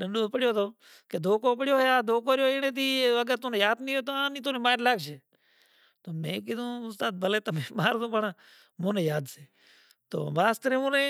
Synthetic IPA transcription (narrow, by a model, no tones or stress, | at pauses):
ɗəɳɖõːpəɽjoːt̪oː | keːd̪ʱoːkoːp̬əɽjoːɦeːaːd̪oːkoːɾjoːɪnẽːt̪iːəɡəɾt̪õːnẽːjaːd̪nĩːoːt̪oːãːnĩːt̪oːnẽːmaːɾlaːɡt͡ʃeː | t̪oːmẽːkɪd̪õːʊst̪aːd̪̚bəleːt̪əmẽːmaːɾd̪õːpəɳãː | mõːnẽːjaːd̪seː | t̪o̰ːbaːst̪əɾẽːmõːnẽː